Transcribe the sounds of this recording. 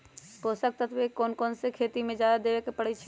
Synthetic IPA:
poːsək̚t̪ət̪ʰbekoːnkoːnsekʰeːt̪imẽd͡ʒaːd̪ad̪eːʋekepəɽɛt͡ʃʰɛ

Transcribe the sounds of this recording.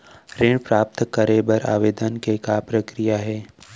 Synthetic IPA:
ɾeːɳpɾaːp̚t̪kəɾebɐɾa̰ːʋeːd̪ənkekapɾəkɾijaɦɛː

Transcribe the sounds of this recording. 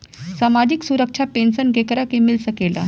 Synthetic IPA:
samad͡ʑiksuɾəkʂʰapensənɡekɾakemilsəkela̰

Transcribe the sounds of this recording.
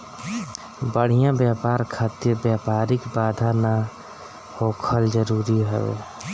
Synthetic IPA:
bəɽ̤ijãbjaːpaːɾkʰaːt̪jəbjaːpaːɾɪkbaːd̪ʱana | hoːkʰəld͡ʒəɾuːɾiɦɛḛː

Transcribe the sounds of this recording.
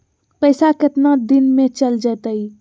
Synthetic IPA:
pəɪsakɪt̪nad̪ɪnmẽt͡ʃəld͡ʒət̪əi

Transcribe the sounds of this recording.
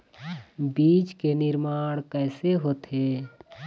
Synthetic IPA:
biːt͡ʃkenɪɾmaːɽ̃kɛːseɦoːt̪ɦe

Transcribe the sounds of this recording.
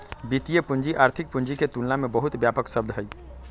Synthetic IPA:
bit̪ijepund͡ʒiʔaɾt̪ʰik̚pund͡ʒiket̪unnamebəɦut̪bjapəksəb̚d̪ʱɦəj

